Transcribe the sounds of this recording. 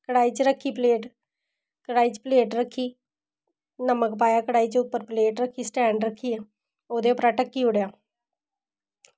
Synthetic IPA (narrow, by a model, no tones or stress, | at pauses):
kəɽaːiːt͡ʃɾəkʰːiːpleːʈ | kəɽaːiːt͡ʃpleːʈɾəkʰːiː | nəməkpaːjaːkəɽaːiːt͡ʃʊpːəɾpleːʈɾəkʰːiːsʈɛ̃ːɳɖɾəkʰːiːeː | oːd̪eːʊpɾaːʈəkːiːʊɽjaː